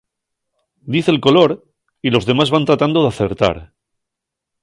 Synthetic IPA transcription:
d̪iθelko̞lo̞ɾ | ilo̞zðe̞mazβant̪ɾat̪and̪o̞ðeaθe̞ɾt̪a̰ɾ

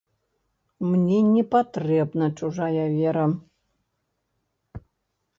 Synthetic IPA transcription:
mnʲenʲepɐt̪rʲebnət͡ɕuʒɑjavʲeɾə

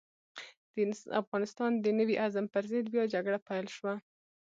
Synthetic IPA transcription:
d̪̥əa̰fɣɑnɪst̪ɑnd̪ənəwiʔazampəɾzɪd̪bjɑd͡ʒaɡɽapajlʃwa

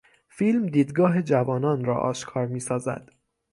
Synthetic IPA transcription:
fiːlmd̪iːd̪ɡɒːɦe̞d͡ʒævɒːnɒːnɾɒ̰ːʔɒ̰ːʃkʰɒːɾmiːsɒːzæ̰d̪̥

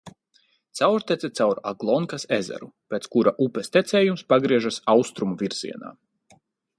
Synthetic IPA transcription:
t̪sawɾt̪ɛsɛt̪sawɾaɡlˠɔŋkasezɛ̰ɾupʲeːt̪skuɾaʔupʲɛst̪ɛt̪sɛːjumspaɡɾiɛʒasawst̪ɾumuvʲiɾz̥ḭɛna̰ː

